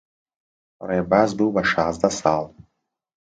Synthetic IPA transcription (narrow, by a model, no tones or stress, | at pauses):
ɾebazbɨwbaʃaːzd̪asɑːlˠ